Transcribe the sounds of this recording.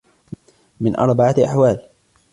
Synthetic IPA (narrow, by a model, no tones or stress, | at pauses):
mɪnʔɑ̰ɾˤbaʕaʔaħwaːl